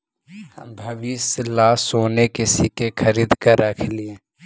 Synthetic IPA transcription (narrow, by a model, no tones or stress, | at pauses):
hɐmbʱɐʋislaːsoːnekɪsikekʰəɾiːd̪kəɾəkʰlie